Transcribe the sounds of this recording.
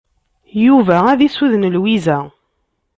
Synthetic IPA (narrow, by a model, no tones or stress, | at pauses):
juvææðisuðnəlwizæ